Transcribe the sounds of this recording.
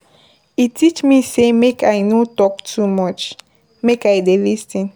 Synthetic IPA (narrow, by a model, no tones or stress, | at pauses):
itʰit͡ʃmisemekʰajnotɔk̚tʰumɔt͡ʃ | mekajdelistĩn